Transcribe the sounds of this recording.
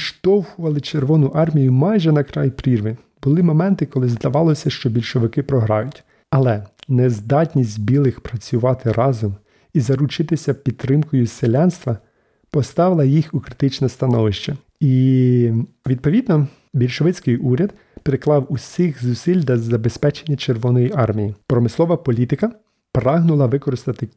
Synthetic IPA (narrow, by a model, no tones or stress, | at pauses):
ʃt̪ɔwhʊʋɐlˠɪt͡ʃerʋɔnʊʔɑrmʲijʊmɑjʒɛnɐkɾɑjpɾʲirʋɪ | bʊlˠɪmɔmɛnt̪ɪkɔlˠɪzd̪ɐʋɑlˠɔsʲɐʃt͡ʃɔbʲilʲʃɔʋɪkɪpɾɔɦɾɑ̰jʊtʲ | ɐlˠɛnɛzd̪ɑtʲnʲisʲt̚ʲbʲilˠɪxpɾɐt͡sʲʊʋɑt̪ɪɾɑzɔm | izɐɾʊt͡ʃɪt̪ɪsʲɐpʲid̪̚t̪ːɾɪmkɔjʊselʲɑnst̪ʋɐ | pɔst̪ɑʋɪlˠɐjixukɾɪt̪ɪt͡ʃnɐst̪ɐnɔʋɪʃt͡ʃɐ | i | ʋʲid̪̚pɔʋʲid̪nɔ | bʲilʲʃɔʋɪt͡sʲkɪjʔuɾʲɐd̪̚ | peɾɪklˠɑwusʲixzʊsilʲd̪ɐzɐbespɛt͡ʃenʲːɐt͡ʃerʋɔnɔjiʔɑrmʲijipɾɔmɪslˠɔʋɐpɔlʲit̪ɪkɐ | pɾɑɦnʊlˠɐʋɪkɔɾɪst̪ɐt̪ɪ